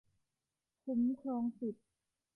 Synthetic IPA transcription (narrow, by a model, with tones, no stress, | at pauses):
kʰu˧˦mkʰɾɔː˧ŋsu˨˩t̪̚